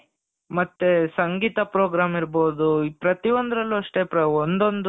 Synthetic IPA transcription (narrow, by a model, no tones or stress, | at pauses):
mɐt̪ːesɐŋɡiːt̪ɐpɾoːɡɾaːmiɾboːd̪upɾɐt̪iʋond̪ɾɐlːuɐʂʈepɾɐond̪o̞nd̪